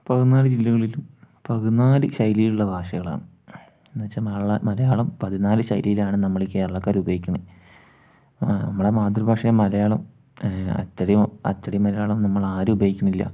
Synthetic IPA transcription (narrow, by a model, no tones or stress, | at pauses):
pɐɣunːaːɾɨd͡ʑilːɐɣɐɭilum | pɐɣunːaːlɨɕɐjlijiluɭːɐbʱaːʂɐɣɐɭa̰ːɳɨ | nɨʋɐt͡ɕːamɐmɐlɐjaːɭɐmpɐðinaːlɨɕɐ̰jlijilaːɳɨnɐmːɐɭkːe̞ːɾɐɭɐkːaːɾubɐjikʲːuɳ | nɐ̰mːɐɽemaːd̪rubʱaːʂɐjɐmɐlɐjaːɭɐm | ɐ̰t͡ɕːɐɽɐjmɐ̰t͡ɕːɐɽijmɐɾɐjaːɭɐmnɐmːɐɭaːɾɨubɐjikʲːuɳilːɐ̰